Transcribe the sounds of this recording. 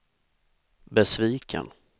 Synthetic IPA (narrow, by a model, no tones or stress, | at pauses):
bɛsviːkʰə̰n